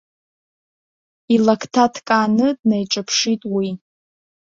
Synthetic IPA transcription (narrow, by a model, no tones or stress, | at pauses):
ilakʰtʰatʰkʼanɨdnejʈ͡ʂʼapʰʂitʼwi